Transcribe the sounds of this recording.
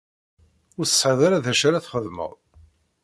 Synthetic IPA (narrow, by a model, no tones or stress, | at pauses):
ʊɾθə̥sħəðaɾaðæʃaɾaθχəðmə̰ðˤ